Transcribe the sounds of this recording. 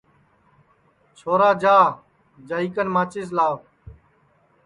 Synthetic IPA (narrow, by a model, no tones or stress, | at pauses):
t͡ʃʰoːɾaːd͡ʒaː | d͡ʒaːiːkənmãːt͡ʃeːs̬laːʋ